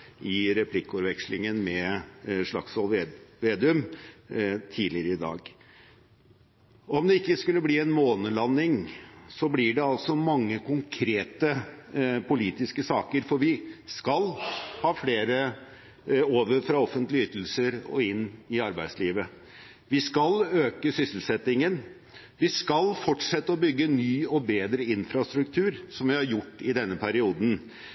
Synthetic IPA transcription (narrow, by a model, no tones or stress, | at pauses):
ʔɪɾɛpʰlɪkːʉɾʋɛkslɪŋənmɛʂɭɑ̰ksɔlʋeːd̪ʉm | t̪ʰiːlɪəɾəɪd̪ɑ̰ːɡ | ɔmd̪ɛɪkːəskʉlːəbliːɛnmoːnəlɑnːɪŋsɔblɪɖɛɑlsɔmɑŋːəkʰʊŋkʰɾeːt̪ə | pʰʊliːt̪ɪskəsɑːkəɾfɔɾʋɪskɑlhɑːfleːɾə | oːʋəɾfɾɑɔfənt̪lɪʏt̪ːl̩səɾɔ̰ɪnːɪɑɾbæɪsliːʋə | ʋɪskɑløːkəsʏsəl̩sɛt̪ːɪŋən | ʋɪskɑlfɔʈʂɛt̪ːəɔbʏɡːənyːɔbeːd̪ɾəɪnfɾɑst̪ɾʉkt̪ʰʉːɾsɔmʋɪhɑɾjʊʈːɪd̪ɛnːəpʰæɾɪuːd̪n